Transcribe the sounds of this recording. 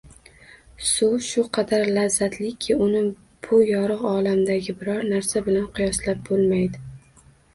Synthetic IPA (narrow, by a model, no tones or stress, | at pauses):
sʊʃʊqʰɑd̪aɾlazːat̪ʰlɪkʲʰːɪʊnɪ | b̥ʊjɒɾɨqɒlamd̪aɡʲɪbɪɾɒɾnaɾsabɪlanqʰɨjɒslap̚bolˠmajd̪ɪ